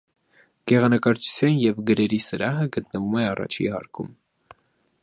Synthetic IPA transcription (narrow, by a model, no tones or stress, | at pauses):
ɡ̥ɛʁɑnəkɑɾt͡ʃʰu̥t͡sʰjɑnjɛvɡəɾɛɾisəɾɑɦəɡət̪nəvumɛɑrɑ̰t͡ʃʰḭhɑ̰ɾkʰum